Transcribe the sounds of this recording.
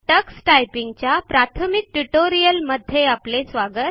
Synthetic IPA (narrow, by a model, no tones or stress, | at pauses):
ʈəksʈajpiŋɡt͡ɕjapɾat̪ʰəmik̚ʈuʈoɾijəlməd̪ʱːjeaplesʋaɡət̪̚